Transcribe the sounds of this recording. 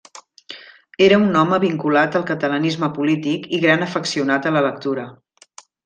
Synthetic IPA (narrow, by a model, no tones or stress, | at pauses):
eɾəunːɔməβiŋkulat̪əlˠkət̪ələnizməpulit̪ikiɣɾanəfəksiunat̪ələlək̚t̪uɾə